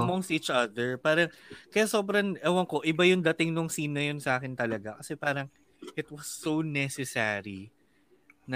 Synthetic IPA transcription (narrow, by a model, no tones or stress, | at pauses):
ɐmɔŋstiːt͡ʃʔɐd̪ɛɹpaːɾɐŋkɐjaso̞bɾɐnʔɛwɐŋkoʔɪbajʊŋd̪ɐt̪ɪŋnʊŋsiːnɐjonsɐʔaːkɪnt̪ɐlɐɡakɐsɛpaːɾɐŋ | ʔɪt̪̚wɐsːownɛsɛsɛ̰ɾi | nɐ